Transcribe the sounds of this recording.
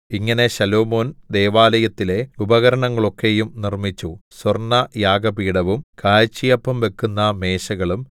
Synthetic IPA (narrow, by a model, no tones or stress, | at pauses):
iŋːɐne̞ɕɐlo̞ːmo̞ːnd̪e̞ːʋaːlɐjɐt̪ːile̞ubɐɣɐɾɐɳɐŋːɐɭo̞kːe̞jumnirmit͡ɕːuswɐrnɐjaːɡɐpiːɽɐʋumkaːjt͡ɕːijɐpːɐmʋe̞kːunːɐme̞ːɕɐɣɐɭum